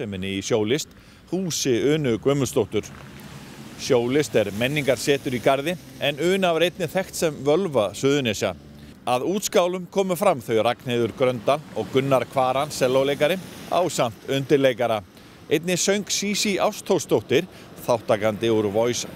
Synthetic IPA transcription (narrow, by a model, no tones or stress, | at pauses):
sɛmɪnːɪisjoːwlɪst̪ | huːsɪʏːnʏkvœːmʏst̪owht̪ʏɾ̥ | sjoːwlɪst̪ɛɾmɛnːiŋkaɾ̥sɛːt̪ʏɾikaɾðɪɛnʏːnavɾejt̪nɪθɛxt̪sɛmvœlvasʏːðʏnesja̰ | aðuːt̪skawlʏmkʰɔːmʏfɾamθœɥjrakneːðʏɾkɾœnt̪aɔɣkʏnːaɾkʰvaːɾansɛlːowleːjkaɾɪa̰wsam̥t̪ʏnt̪ɪɾlejkaɾa | ejt̪nɪsœɥŋksiːsiʔawst̪ʰowst̪owht̪ɪɾ̥ | θawht̪aːkant̪ɪuɾvɔjs